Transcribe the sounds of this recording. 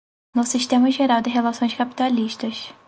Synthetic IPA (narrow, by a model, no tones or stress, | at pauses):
nʊsiʃt̪ẽmɐʒeɾawd̪ɪɦelasõj̃ʃkapi̥t̪aliʃt̪ɐʃ